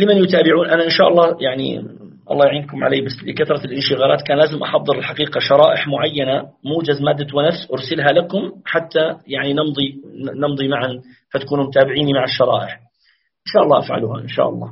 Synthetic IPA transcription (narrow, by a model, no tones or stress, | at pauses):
lɪmanjʊt̪aːbɪʕuːnʔanaʔɪnʃaːʔɑlˤːɑːjaʕnḭ | ʔɑ̰lːˤɑːjaʕiːnkʊmʕa̰leːbasːlɪkaθɾˤɑlʔɪnʃɪɣaːlaːt̪kaːnlaːzɪmʔɑ̰ħɑðˤːɨɾɪlħaqiːqaʃɑɾˤɑːʔɪħmʊʕajːanamuːd͡ʒazmaːd̪ːawɪnafsʔʊɾsɪlɦalakʊmħat̪ːajaʕninɪnd̪ˤinɪmd̪ˤimaʕan | fat̪ḁkuːnʊmʊt̪aːbɪʕiːnimaʕaʃːɑɾˤɑ̰ːʔɪħ | ʔɪnʃaːʔɑlˤːɑːʔafʕa̰luha̰ʔɪnʃa̰ːʔɑ̰lˤːɑ̰ː